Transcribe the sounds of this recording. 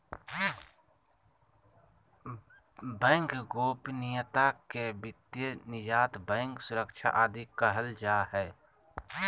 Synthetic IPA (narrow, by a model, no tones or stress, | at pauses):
bɛ̃ːŋkɡoːpnijət̪akebɪt̪jenɪd͡ʒaːt̪bɛ̃ːŋksʊɾəkʃʰa̰ʔaːd̪ikəɦəld͡ʒaːhɛː